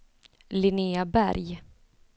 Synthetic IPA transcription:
lɪneːabæ̰ɾj

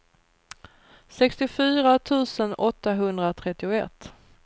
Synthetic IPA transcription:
sɛkst̪ɪfyːɾat̪ʰʉ̟ːsənɔt̪ːaɦɵnd̪ɾat̪ʰɾɛt̪ːɪʊɛ̰t̪ː

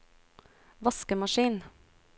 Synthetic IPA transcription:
ʋɑskəmɑʃiːn

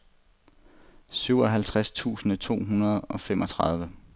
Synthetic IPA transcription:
syʊ̰ɒ̽ɦælt͡sʰʁast͡sʰṵːsn̩ət͡sʰo̝̰ːɦunɐð̞ˠɒ̽femʔɒ̽t͡sʰʁɑ̈ð̞ˠʋə

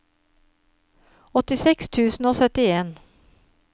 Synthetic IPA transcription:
ɔt̪ɪsɛkst̪ʰʉːsn̩oːsœt̪ɪeːn

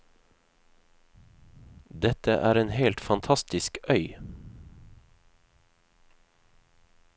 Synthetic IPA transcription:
d̪ɛt̪əʔæːɾeːnheːlt̪fɑnt̪ʰɑst̪ɪskœʏ

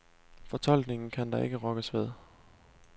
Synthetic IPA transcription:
fɒ̽t͡sʰɒ̽l̰ɡ̥ne̝ŋn̩kʰænd̥ɑ̈ʔe̝ɡ̥əʁɒ̽ɡ̥əsʋeð̞̰ˠ

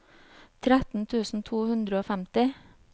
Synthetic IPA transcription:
t̪ʰɾæt̪n̩t̪ʰʉːsn̩t̪ʰuːhʉnd̪ɾəoːfæmt̪ɪ

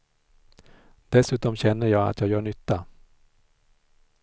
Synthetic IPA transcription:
d̪̥ɛsʉ̟ːt̪ɔmɕɛnːəjɑːɡa̰t̪ʰjɑːɡjœːɳʏt̪ːa

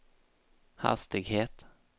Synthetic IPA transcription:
ha̰st̪ɪɡheːt̪

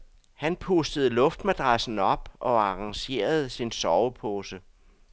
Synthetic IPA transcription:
hænpʰusd̥əð̞̩ˠlɔ̽fd̥mæd̥ʁasn̩ɒ̽b̥ʔɒ̽ɑ̈ʁɑ̈ŋɕe̝̰ːɐð̞̩ˠsinsɒʊəpʰoːsə

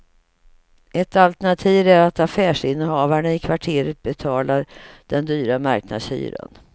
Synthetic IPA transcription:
ʔɛt̪alt̪ɛɳat̪ʰiːvæɾat̪afæːʂɪnːhɑːvaɳaɪkʰvaʈʰeːɾət̪̚bɛt̪ʰɑːlaɾd̪̥ɛnd̪yːɾama̰ɾkna̰d̪sy̰ːɾə̰n

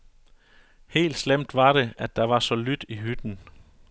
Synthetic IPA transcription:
he̝̰ːld̥slem̰d̥ʋɑ̈ɾ̥e̝æd̥ɑ̈ʋɑ̈sɒ̽lyd̥iɦyd̥n̩

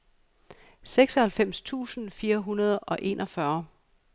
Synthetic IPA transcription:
seɡ̥sɒhælfem̰st͡sʰṵːsn̩fiːɐɦunɐð̞ˠɒ̽ʔe̝̰ːnʔɒ̽fɶɐ

